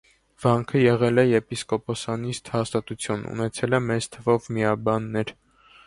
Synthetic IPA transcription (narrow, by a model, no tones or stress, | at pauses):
v̥ɑŋkʰəjɛʁɛlɛjɛpiskɔpɔsɑnist̪hɑst̪ɑt̪ut͡sʰjunṵnɛt͡sʰɛlɛmɛt͡st̪ʰəvɔvmiɑbɑnːɛɾ